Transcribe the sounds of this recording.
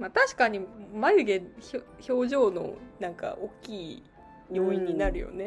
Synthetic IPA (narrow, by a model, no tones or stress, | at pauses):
mat̪aɕi̥kaɲ̟imajɯ̟ɡe̞ço | ço̞ːʑo̞ːno̞̰nãŋka̰ʔokʲːiː | jo̞ːiɲ̟ːinaɾɯ̟jo̞̰ne̞